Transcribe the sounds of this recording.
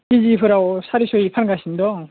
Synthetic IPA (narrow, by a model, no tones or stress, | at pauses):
kid͡ʑipʰɯɾaosʰaɾiɕʰoipʰanɡaɕʰind̪ɔ